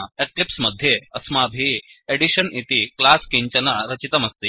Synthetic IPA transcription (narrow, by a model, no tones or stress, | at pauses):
eklipsmɐd̪ʱːjeɐsmabʱieɽiɕənit̪iklaskiɲt͡ɕɐnaɾɐt͡ɕit̪ɐmɐst̪i